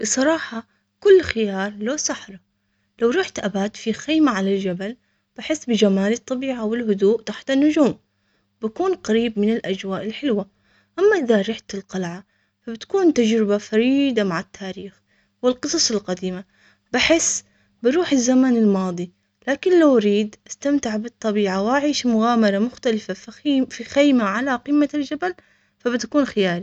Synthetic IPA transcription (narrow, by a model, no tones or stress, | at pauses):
bɨsˤɑɾˤɑːħɑ | kʊlːxɪjɑːɾˤloːsˤɑħɾˤɑ | lawɾuːħt̪ʔabaːt̪fixeːmaʕalald͡ʒabal | b̥aħɪsːbɪd͡ʒamaːlɨt̪ˤːɑbiːʕawɪlɦʊd̪uːʔt̪aħt̪ɪnːʊd͡ʒuːm | bakuːnqaɾiːbmɪnɪlʔad͡ʒwaːʔɪlħɪlwa | ʔamːaʔɪðaɾˤɪħt̪ɪlqɑlʕa | fabɪt̪kuːnt̪ad͡ʒɾɪbafaɾiːd̪amaʕɪt̪ʰːaːɾiːx | wɪlqɨsˤɑsˤɪlqad̪iːma | bɪħɪsː | bɪɾuːħɪzːamanɪlmɑːðˤi | laːkɪnlawɾiːd̪ʔast̪amt̪ɪʕbɨt̪ˤːɑbiːʕawʔaʕiːʃmʊɣaːmɑɾˤamʊxt̪alɪfaffixajmaʕalaqiːmːald͡ʒabal | fabɪt̪akuːnxɪjaːli